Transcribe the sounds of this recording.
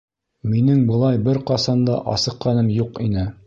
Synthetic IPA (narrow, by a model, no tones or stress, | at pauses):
minɘŋbɤ̆lˠɑjbɘɾqɑsɑnd̪ɑʔɑ̰sɤ̆qːɑnɤmjuqinɘ